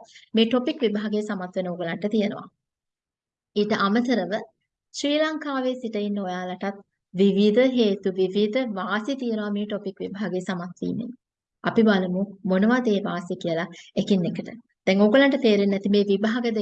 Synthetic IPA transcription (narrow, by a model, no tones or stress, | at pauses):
meːʈopikʋibaɦaɡəjəsamat̪ʋenəoːɡolaɳʈət̪ijənə̰ʋa̰ | iːʈəʔamət̪əɾəʋə | ʃɾiːlaŋkaːʋeːsiʈəinːəojaːlaʈat̪̚ | ʋiʋid̪əɦeːt̪uʋiʋid̪əʋaːsit̪ijənəʋameːʈopikʋibaɦaɡəjsamat̪ʋḭːnḛnː | apibaləmumonəʋad̪eːʋaːsikijəlaekinːekəʈə | d̪̥ɛŋoːɡolaɳʈət̪eːɾenːɛt̪imeːʋibaɦaɡəd̪e